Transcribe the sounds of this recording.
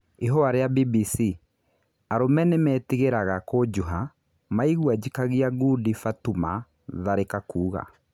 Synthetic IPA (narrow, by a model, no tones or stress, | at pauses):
eɦɔaɾeabibisi | aɾomɛnemɛːtiɣeɾaɣakod͡ʒuɦa | maiɣwad͡ʑikaɣiaɡudifatuma̰ | ðaɾekakuːɣa̰